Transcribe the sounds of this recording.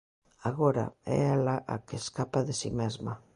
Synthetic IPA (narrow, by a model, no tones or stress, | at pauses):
aɣoɾa̰ɛ̰alaʔa̰keskapaðesḭmezma